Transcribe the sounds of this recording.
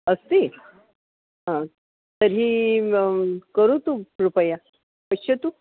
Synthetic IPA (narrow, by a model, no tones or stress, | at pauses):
əst̪i | ɦã | t̪əɾɦiː | kəɾut̪uɾupəja | pəɕʰət̪u